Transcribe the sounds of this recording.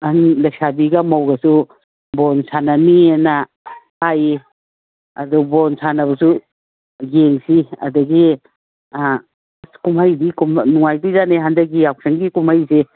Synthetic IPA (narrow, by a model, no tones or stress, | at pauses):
ɐnlɐksabiɡamawɡɐsu | bɔnsananiena | haje | ɐ̰dubonsanɐbɐsu | ɡeŋsiɐ̰duɡi | skumhajdikumnuŋajdizaneɦandɐk̚ːiawk̚seŋɡikumhajse